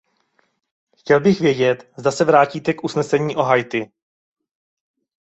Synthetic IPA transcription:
xcɛlbɪxvjɛɟɛt̪zd̪asɛvɾaːciːt̪ɛkʔusnɛsɛɲiːʔo̞ɦajt̪ɪ

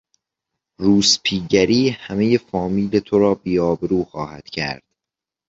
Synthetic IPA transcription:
ruːspʰiːɟæɾiːhæme̞je̞fɒːmiːle̞t̪ʰoɾɒːbiːɒːbeɾuːxɒːhæd̪̥cʰæ̰ɾd̪̥

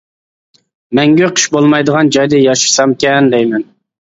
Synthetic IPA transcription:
mɛŋɡʲøqʰə̥ʃbolˠmɑjd̪əʁɑnd͡ʒɑjd̪ɨjɑʃɨ̥sɑmkʲɛnd̪ɛjmɛn

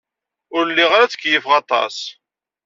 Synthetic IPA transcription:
ʊɾlːiʁɾæt͡sə̥kːjəfʁɑt̪ˤɑ̰s

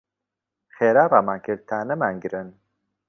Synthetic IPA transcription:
xeːɾaɾamakiɾt̪ʰaːnəmaŋɡiɾən

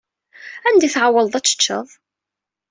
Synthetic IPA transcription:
ænd̪iθʕawəld̪ˤæt͡sːə̥t͡ʃːə̰ðˤ

